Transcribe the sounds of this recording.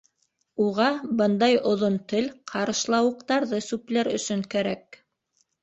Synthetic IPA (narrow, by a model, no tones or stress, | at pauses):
uʁɑbɤnd̪ɑjŏðont̪ɘlqʰɑɾɤ̆ʃlˠɑwɤ̆q̚t̪ɑɾðɤsʉplæɾɵ̆sɵŋkæɾæk̚